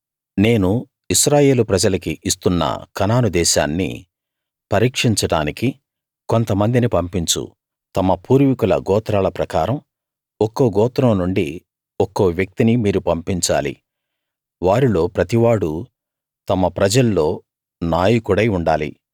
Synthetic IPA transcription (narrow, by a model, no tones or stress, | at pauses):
ne̞ːnu | iʃɾaːje̞ːlupɾɐd͡ʒɐlɐkiʔist̪unːɐ̰kɐnaːnud̪ɛːʃa̰ːnːḭ | pɐɾiːkʂiɲt͡ʃɐɽa̰ːniki | kont̪ɐmɐnd̪inipɐmpiɲt͡ʃṵ | t̪ɐmɐpuːɾʋikulɐ̰ɡɔːt̪ɾaːlɐpɾɐkaːɾɐm | ɔkːoːɡɔːt̪ɾɐmnuɳɖi | ɔkːoːʋjɐk̚t̪inimiːɾupɐmpiɲt͡ʃa̰ːlḭ | ʋaːɾilo̞ːpɾɐt̪iʋaːɽu | t̪ɐmɐpɾɐd͡ʒɐlːo̞ː | naːjikuɽɐjuɳɖaːlḭ